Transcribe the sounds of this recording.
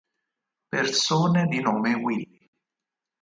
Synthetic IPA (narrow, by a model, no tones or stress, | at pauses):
persoːned̪inoːmewilːi